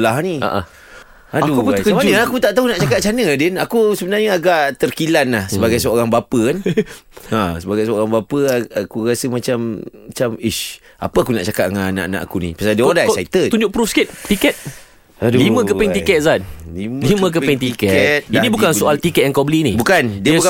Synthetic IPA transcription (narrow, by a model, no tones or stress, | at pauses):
laɦnia̰ʔa̰ | aakup̪kəmd͡ʒnakut̪aʔt̪aɦunaʔt͡ʃakaʔ̚t͡ʃanədɛnakusəbənarɲaaɡaʔt̪ərkilanlahsəbaɡajsəoɾaŋbapəkan | asəbaɡajsəoɾaŋbapəakuɾasəmat͡ʃamt͡ʃamiʃ | a̰pəakunaʔt͡ʃakat̪ŋana̰ʔana̰ʔakunḭpasadiəodaait̪ət̪uɲd͡ʒʊʔ̚pɾufskɛt̪̚t̪ikɛt̪̚ | limə̃kəpɛŋt̪ikɛt̪̚sanlimlimə̃k̬əpɛŋt̪ikɛɛt̪̚dinibukansuʔalt̪ikɛt̪̚əŋkawbəlinibukandiəbka